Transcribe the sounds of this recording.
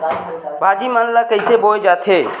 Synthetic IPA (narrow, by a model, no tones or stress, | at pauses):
bʱaːd͡ʒimənlakəɪsebod͡ʒaːt̪ʰeː